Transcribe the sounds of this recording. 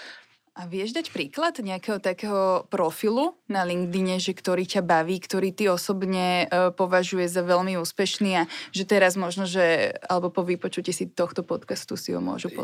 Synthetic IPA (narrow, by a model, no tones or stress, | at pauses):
ʔaʋɪɛʒd̪acpɾiːklad̪ɲɛakɛɦɔt̪akɛːɦɔpɾɔfilunaliŋɡd̪iɲɛʒɛkt̪ɔɾiːcabaʋiːkt̪ɔɾiːt̪iɔsɔbɲɛpɔʋaʒujɛʒzaʋɛʎmiuːspɛʃniːaʒɛt̪ɛɾazmɔʒnɔʒɛa̰lɛbɔpɔʋipɔt͡ʃucɛsit̪ɔxt̪ɔpɔt̪kast̪usḭɦɔ̰mʊɔ̰ʒupɔ̰